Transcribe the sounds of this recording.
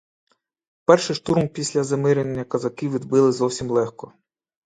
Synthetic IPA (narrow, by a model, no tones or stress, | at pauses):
pɛrʃɪʃt̪uɾmpʲisʲlʲɐzɐmɪɾennʲːɐkɐzɐkiwʋʲid̪bɪlˠɪzɔwsʲimlˠɛxkɔ